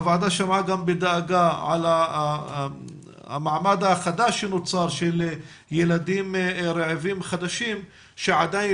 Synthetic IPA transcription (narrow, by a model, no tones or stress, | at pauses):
vaad̪aʃamaɡambed̪aːɡaʕa̰la | a̰maʕmad̪aχad̪aʃenot͡saɾʃel | jelad̪imɾeʕevimχad̪aʃim | ʃeʕad̪aj